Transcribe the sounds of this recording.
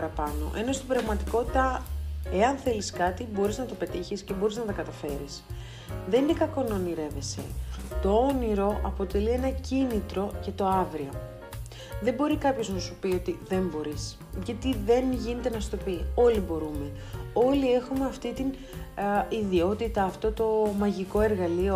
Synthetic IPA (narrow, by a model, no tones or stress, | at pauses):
ɐɾɐpɐno̞̰ʔe̞no̞st̪ibɾɐɣmɐt̪i̥ko̞t̪it̪ɐe̞ɐnθe̞liskɐt̪ibo̞ɾiznɐt̪o̞pe̞t̪içisce̞bo̞ɾiznɐt̪ɐkɐt̪ɐfe̞ɾḭs | ðe̞ninekɐko̞noniɾe̞ve̞se̞̰t̪o̞o̞niɾo̞ʔɐpo̞t̪e̞lie̞nɐcinit̪ɾo̞ce̞t̪o̞ɐvɾio̞ | ðe̞mbo̞ɾikɐpço̞znɐsupio̞t̪iðe̞mbo̞ɾis | ʝɐt̪iðe̞nʝine̞t̪enɐst̪o̞pio̞libo̞ɾume̞ | o̞lie̞xumeɐft̪it̪in | iðio̞t̪it̪ɐːft̪o̞t̪o̞mɐʝiko̞e̞ɾɣɐlio̞